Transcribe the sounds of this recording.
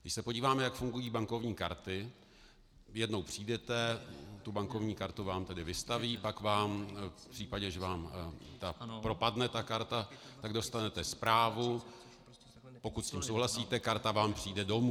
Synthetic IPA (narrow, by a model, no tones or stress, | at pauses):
ɡdɪʃsɛpo̞ɟiːvaːmɛjakfuŋɡujiːbaŋko̞vɲiːkaɾt̪ɪ | jɛdno̞wpr̝̥iːdɛt̪ɛt̪ubaŋkovɲiːkaɾt̪uvaːmt̪ɛdɪvɪst̪aviːpakvaːmpr̥iːpaɟɛʒɛvaːmt̪apɾo̞padnɛt̪akaɾt̪at̪aɡdo̞st̪anɛt̪ɛspɾaːvu | po̞kut̪sciːmsowɦlasiːt̪ɛkaɾt̪avaːmpr̝̥iːdɛdo̞mu